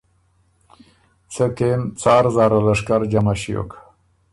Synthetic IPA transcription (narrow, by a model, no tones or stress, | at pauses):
t͡səkent͡sɑːɾzɑːɾolaʂkaɾd͡ʒamaɕijo̰kʰḁ